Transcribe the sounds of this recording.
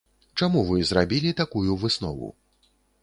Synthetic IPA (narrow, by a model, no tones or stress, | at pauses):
t͡ʂamuvɨzɾabʲilʲit̪akujuvɨsnɔ̰vṵ